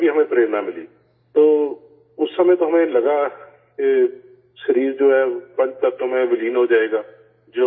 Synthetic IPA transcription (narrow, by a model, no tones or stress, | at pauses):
bʱiɦɐmẽpɾeːɾnamɪliː | t̪oː | ʊsːɐm̃t̪oɦɐmẽlɐɡa | ke | ʃəɾiːɾd͡ʒoːɦɛːbɐ̃ɳɖ̚t̪ɐkt̪oɦmẽmɪliːnɦod͡ʒaːeːɡaː | d͡ʒoː